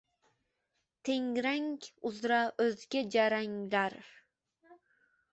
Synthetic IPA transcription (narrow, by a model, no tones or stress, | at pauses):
t̪ʰeŋɾaŋkʲʊzɾaɵzɡʲad͡ʒaɾaŋlaɾ